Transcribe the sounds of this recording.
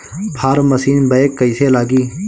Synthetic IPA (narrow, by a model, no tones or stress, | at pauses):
pʰaːɾməsiːnbəekːəɪseːlaːɡiː